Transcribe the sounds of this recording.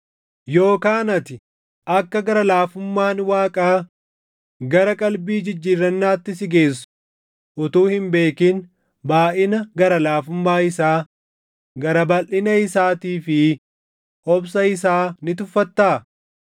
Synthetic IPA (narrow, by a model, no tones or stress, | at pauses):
jo̞ːkaːnɐt̪ɪ | ʔɐkːɐɡɐɾɐlaːfʊmːaːnwaːkʼaː | ɡɐɾɐkʼɐlbiːd͡ʒɪd͡ʒːiːrːɐnːaːt̪ːɪsɪɡe̞ːs̬ːʊ̥ | ʔʊt̪uːhɪmbe̞ːkɪn | baːʔɪnɐɡɐɾɐlaːfʊmːaːɪsaː | ɡɐɾɐbɐlʔɪnɐɪsaːt̪iːfɪ | hɔbsɐɪsaːnɪt̪ʊfːɐt̪ːaː